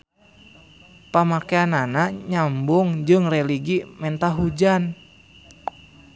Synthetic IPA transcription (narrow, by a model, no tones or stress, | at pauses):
pamakeananaɲambʊŋd͡ʒɨŋrɛliɡimɛnt̪aɦud͡ʒan